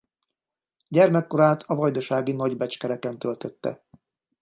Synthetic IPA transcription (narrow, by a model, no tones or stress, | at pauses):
ɟɛrmɛkːo̞ɾaːt̪ʰɒvɒjd̪ɒʃaːɡinɒɟbɛt͡ʃkɛɾɛkɛnt̪ø̞lt̪øt̪ːɛ̰